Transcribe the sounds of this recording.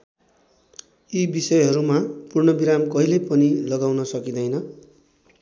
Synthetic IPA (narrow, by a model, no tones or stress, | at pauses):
ibisʌjɦʌɾumapurɳʌbiɾamkʌɦilepʌnilʌɡawnʌsʌkid̪ʌjnʌ